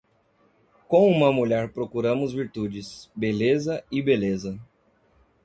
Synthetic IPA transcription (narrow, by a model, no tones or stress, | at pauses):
kõw̃ũmɐmuʎɛɾpɾokuɾɐ̃mʊzviɾt̪ud͡ʒɪsbelezɐɪbelezɐ